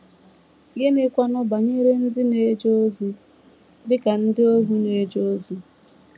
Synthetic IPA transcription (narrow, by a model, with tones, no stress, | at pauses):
ɡe˦ne˦kʷa˦nɔ˦ba˨ɲe˦ɾe˦n̩˦dɪ˦ne˨˦d͡ʒo˦o˦zi˨ | dɪ˦ka˨n̩˦dɪ˦o˦ɦu˦ne˨˦d͡ʒo˦o˦zi˦